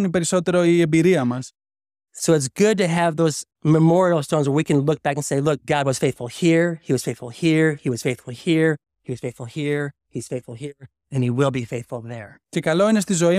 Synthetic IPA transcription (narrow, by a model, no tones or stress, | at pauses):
nipe̞ɾiso̞t̪e̞ɾoiembiɾiɐmɐs | soʊɨts̬ɡ̥ʊd̚tɨːvðoʊz | məmɔɹil̩ˠstõnzwə˞wikɨ̃nlʊk̚b̥ækə̃nseɪlʊk̚ɡ̥ɑd̚wʌz̥feɪθfəl̩ˠhiɹhiwʌz̥feɪθfəl̩ˠhiɹhiwʌz̥feɪθfəl̩ˠhiɹ | hiwʌz̥feɪθfl̩ˠhiɹ | hiz̥feɪθfl̩ˠhiɹ | ɨ̃niwɪlˠbifeɪθfl̩ˠðə˞cekɐlo̞ines̬t̪izo̞i